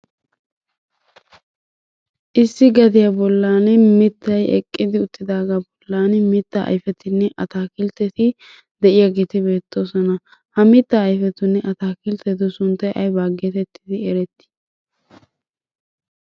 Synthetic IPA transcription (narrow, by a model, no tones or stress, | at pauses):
ʔɪsːɪɡɐd̪ɪjɐbɔlːaːnɛmɪt̪ːɐjɛ̰kʼːɪd̪ɪʊt̪ːɪd̪aːɡɐbɔlːaːnmɪt̪ːa̰ʔjfɛt̪ɪnːɛʔɐt̪aːkɪlt̪ːɛt̪ɪ | d̪ɛʔɪjaɡeːt̪ɪbe̞ːt̪ːo̞ːsɔnɐ | hɐmɪt̪ːaːjfɛt̪ʊnːɛʔɐt̪aːkɪlt̪ɛt̪ʊsʊnt̪ːɐjʔɐ̰jbaːɡɛt̪ɛt̪ːɪ̥d̪ɪɛɾɛt̪ːɪ̥